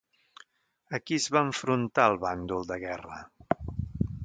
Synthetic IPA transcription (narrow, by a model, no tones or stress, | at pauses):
əkiəzβaəɱfɾunt̪aəlˠβand̪ulˠd̪əɣɛrə̰